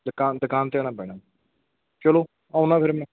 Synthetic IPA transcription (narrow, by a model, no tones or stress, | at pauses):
d̪əkaːnd̪əkaːnt̪eaːñaːbɛːɽaː | t͡ʃəloː | aːunaːpʰɪɾmɛ̃ː